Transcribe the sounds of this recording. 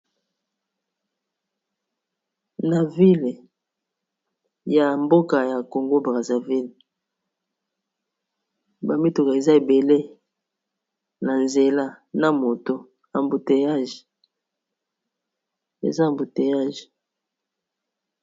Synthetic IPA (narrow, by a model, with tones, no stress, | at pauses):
na˨vi˦l | ja˨mbo˦ka˨ja˨ko˨ŋɡo˦bʁa˨za˨vi˦l | ba˨mi˦tu˨ka˨e˨za˦e˨be˨le˦ | na˨nze˨la˦ | na˨mo˨to˦ | a˨mbu˨te˨ja˦ʒe̥˨ | ḛ˨za˦˨mbu˨te˨ja˦ʒe̥˨